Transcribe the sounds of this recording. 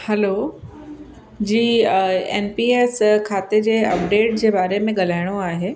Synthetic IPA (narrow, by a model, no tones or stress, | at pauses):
hɛlo | d͡ʑiːḛːnpiːeːskʰaːt̪ed͡ʑeːɐpɖeːʈ̚d͡ʑeːbaːɾemẽɠɐl̤aːɪɽ̃oaːɦeː